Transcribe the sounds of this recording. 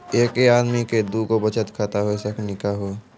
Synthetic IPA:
eːkeaːd̪miked̪ukobət͡ʃət̪kʰaːt̪aɦoesəkʰnɪkaɦo

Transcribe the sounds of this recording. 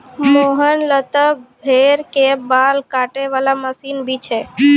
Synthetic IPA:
moɦənlət̪əbʱeɾkebalkaʈeʋalaməsinbʱit͡ʃʰe

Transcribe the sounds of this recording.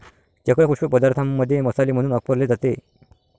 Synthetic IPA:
t͡ɕakɭekʰuɕəpəd̪aɾt̪ʰamːəd̪ʱːjeməsaliːm̤əɽ̃uːnəɡ̚pəɾled͡zat̪e

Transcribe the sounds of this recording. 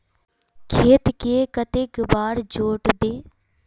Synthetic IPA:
kʰeːt̪keːkət̪ɪkbaːɾd͡ʒoːʈd̪eː

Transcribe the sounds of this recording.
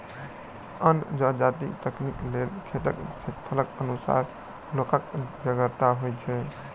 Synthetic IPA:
ənd͡ʒad͡ʒat̪ḭt̪əkniklelkʰet̪əkt͡ʃʰet̪pʰələkənusa̰ɾ | lokəkd͡ʒəɡəɾt̪aɦojt͡ʃʰɛ

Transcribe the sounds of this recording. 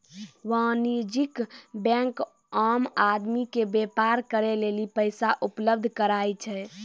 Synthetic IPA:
ʋãniɾd͡ʒikbɛ̃ŋk | amad̪mikebepaɾkəɾelelipəjsaʔupləb̚d̪ʱkəɾajt͡ʃʰɛ

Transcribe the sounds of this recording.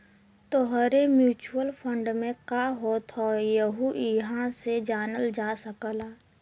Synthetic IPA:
t̪oɦɾemjuːt͡ʃuwəlpʰə̃ɳɖmẽkaːɦoːt̪ɦɔjəɦuɪɦãsed͡ʒaːnəld͡ʒaːsəkəlaː

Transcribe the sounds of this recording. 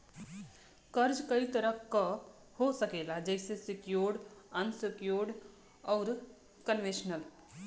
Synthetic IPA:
kɐɾd͡ʒkɐit̪ɐɾəka | hosɐkeːlad͡ʒɛːsesɪkjoːɾɖɐnsɪkjoːɾɖ | ɔːɾ | kənʋeʃnəl

